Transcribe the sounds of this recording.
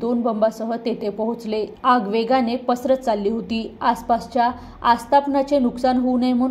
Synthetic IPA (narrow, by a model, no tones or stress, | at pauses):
onbəmbasəɦət̪et̪ʰepəɦut͡sleaɡʋeɡanepəsɾət̪t͡salːiːɦot̪iːaspast͡ɕjaː | st̪ʰapnat͡senuksanɦonejm̤ə